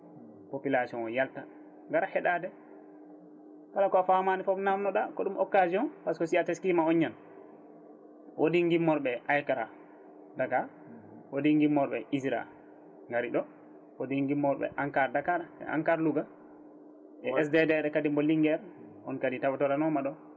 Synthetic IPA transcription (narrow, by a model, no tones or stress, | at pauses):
popilasiɔnɔjalta | ŋɡaɾahɛɗadɛ | kalakɔafamanifɔbnamnɔɗakɔɗumʔɔkːaziɔnpaskɔsiatɛskimaɔɲːan | wʔodiŋɡimːɔɾɓɛʔajkaɾa | daka | wodiŋɡimːɔɾɓɛisiɾa̰ | ŋɡaɾiɗɔ | wodiŋɡimːɔɾɓɛ̰ʔaŋkaɾdakaɾɛ̰ʔa̰ŋkaɾluɡa | ʔɛɛs̬dɛdɛɗɛkadimbɔliŋɡɛɾ | ɔnkaditawatɔɾanɔmaɗɔ